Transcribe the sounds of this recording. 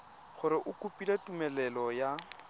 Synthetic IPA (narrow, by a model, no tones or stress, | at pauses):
χʊɾɪʔʊkʼupʼilatʼumɛlɛlɔja